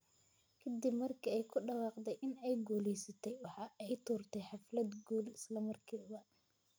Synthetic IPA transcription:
kʰɐd̪ɪbmɐrkʰɐɛjkʰʊɖɑwɑːqd̪ɛjʔɪnɛjɡuːlɛjsɐt̪ʰɛjwɑħɑːʔɛjt̪ʰuːrt̪ʰɛjħɑflɐd̪ɡuːlɪslɐmɐrkʰiːbɐ

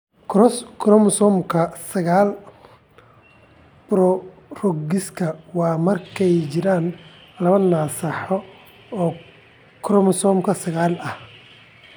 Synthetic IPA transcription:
kʰɾɔskʰɾɔmsɔmkʰɐsɐɣaːl | b̥ɾɔ | rɔɡɪskʰɐwɑːmɐrkʰɛjt͡ʃɪɾaːn | lɐβɐnaːsɐħɔ | ɔː | kʰɾɔmsɔːmkʰɐsɐɣaːlɐh

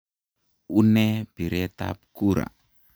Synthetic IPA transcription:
unebiɾɛt̪a̰p̚kuɾa̰

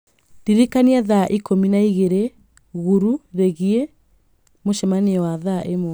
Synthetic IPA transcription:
ndiɾekaniaðaʔikominaiɣeɾe | ɣuɾuɾeɣie | moʃɛmaneɔwaðaʔemo

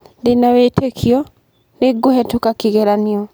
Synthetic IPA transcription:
denawetʰekʰiɔ | neɡohɛtokakiɣeɾaniɔ

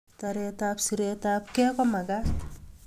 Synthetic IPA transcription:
taɾɛtapsiɾetap̚kɛkɔmaɡas

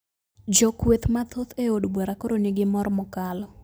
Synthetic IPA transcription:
d͡ʒɔkwet̪mat̪ʰot̪eodbweɾakoɾonɪɡɪmɔrmɔkalɔ

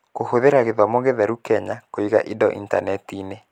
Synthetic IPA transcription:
kohoðeɾaɣeðwamoɣeðɛɾukɛɲakoiɣa̰ʔidɔ̰ʔḭnta̰nɛtine

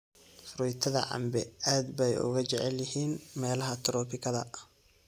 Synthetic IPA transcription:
fɾʊjt̪ʰɐðɐ̰ʕɑ̰mbɛaːd̪bɛjʊ̰ɣɐt͡ʃɛʕɛljɐhiːnmɛːlɐɦɐt̪ʰɾɔːpʰɪkʰɐðɐ

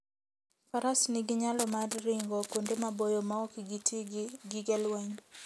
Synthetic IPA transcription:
faɾasnɪɡɪɲalɔmarːɪŋɡɔkondemabojomaɔkiɡitʰiɡɪɡɛlwɛɲ

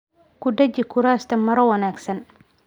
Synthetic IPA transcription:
kʰʊɖɐt͡ʃɪkʰʊɾaːst̪ʰɐmɐɾɐwɐnaːɡsɐn

